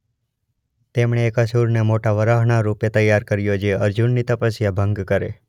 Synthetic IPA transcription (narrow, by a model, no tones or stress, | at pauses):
t̪emɳ̃eːkəsuɾnemoʈaʋəɾaɦɳ̃aɾupet̪əjːaɾkəɾjod͡ʒeəɾd͡ʒunːit̪əpəsjabʱəŋɡkəɾe